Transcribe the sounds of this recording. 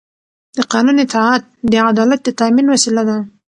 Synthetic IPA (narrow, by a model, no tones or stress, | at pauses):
d̪əqɑnunit̪ɑat̪̚d̪əad̪ɑlat̪̚d̪ət̪aminwasilad̪a